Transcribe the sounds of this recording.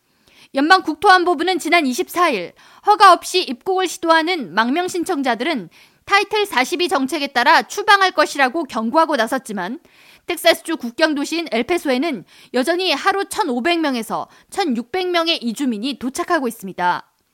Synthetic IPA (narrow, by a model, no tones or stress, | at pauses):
jʌnbaŋkuk̚tʰoambobunɯnt͡ɕinaniɕ̬ʰip̚s͈aiɭ | hʌɡaʌp̚ɕ͈iip̚k͈oɡɯɭɕʰidoɦanɯnmaŋmjʌŋɕʰint͡ɕʰʌŋd͡ʑadɯɾɯn | tʰaitʰɯɭs͈ʰaɕʰibit͡ɕʌŋt͡ɕʰe̞ɡe̞t͈aɾat͡ɕʰubaŋɦaɭk͈ʌɕʰiɾaɡokjʌŋɡuɦaɡonasʰʌt̚t͡ɕ͈iman | tʰe̞k̚s͈as͈ʰɯ̥d͡ʑukuk̚k͈jʌŋdoɕʰiːne̞ɭpʰe̞sʰoe̞nɯn | jʌd͡ʑʌɲihaɾut͡ɕʰʌnobe̞ŋmʲjʌŋe̞sʰʌ̰ | t͡ɕʰʌnjuk̚p͈e̞ŋmʲjʌŋe̞ʔid͡ʑumiɲitot͡ɕʰakʰaɡois͈ɯmɲida